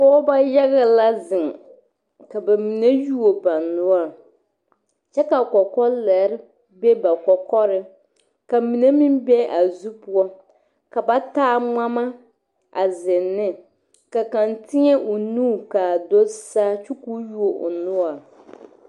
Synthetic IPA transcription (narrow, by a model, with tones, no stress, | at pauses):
kɔ˦ba˦ja˦ɣa˦la˦zɪ˨ŋ˨ | ka˨ba˨mi˨ne˦ju˦o˨ba˨nʊ˦a˨ | t͡ʃɛ˦ka˨kɔ˨kɔ˦lɛ˨˦ɾɪ˦ | bɛ˦ba˨kɔ˨kɔ˦ɾɪ˦ | ka˨mi˨ne˦mi˦mbɛ˦ʔa˨zu˦pʊ˦ɔ˦ | ka˨ba˦taː˦ŋ͡ma˦ma˦ | a̰˨zɪ˨nːɪ˦ | ka˨ka˨ntʰɪ˦ɲɛ˦ʔʊ˨nuː˦˨ka˨do˦saː˦t͡ʃu˦ku˦ju˦o˨ʔʊ̰˨nʊ˦a˨